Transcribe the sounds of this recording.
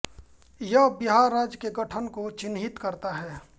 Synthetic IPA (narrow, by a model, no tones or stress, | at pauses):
jɐɦbɪɦaːɾːaːd͡ʒkeɡəʈʰənkot͡ʃɪnɦɪt̪kəɾt̪aɦɛː